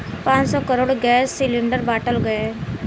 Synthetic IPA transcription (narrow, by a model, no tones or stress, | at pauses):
pãt͡ʃsɔkəɾoːɽɡɛsːiliɳɖəɾbaʈəlɡəe